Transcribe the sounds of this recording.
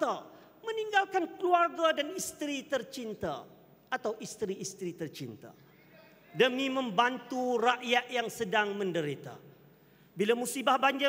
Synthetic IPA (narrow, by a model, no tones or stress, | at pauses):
a | mə̃niŋɡalkankəluarɡadanist̪ɾit̪ərt͡ʃint̪a̰ | ʔat̪awʔist̪ɾiist̪ɾit̪ərt͡ʃint̪a̰ | dəmĩmə̃mbant̪uraʔjat̪jaŋsədaŋmə̃ndəɾit̪a̰ | bilamũsibahbaɲd͡ʒɪ